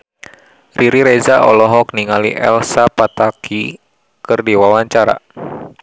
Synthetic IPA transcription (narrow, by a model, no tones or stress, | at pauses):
riɾiɾɛd͡ʒaʔɔ̰lɔɦɔk̚niŋaliʔɛ̰lsapat̪aki | kɨrdiwawaɲt͡ʃaɾa̰